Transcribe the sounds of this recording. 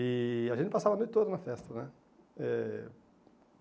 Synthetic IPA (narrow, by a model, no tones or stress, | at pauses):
ɪaʒẽt̪ɪpasavɐnõɪt̪od̪ʊnɐfɛst̪ɐnɛ | ɛ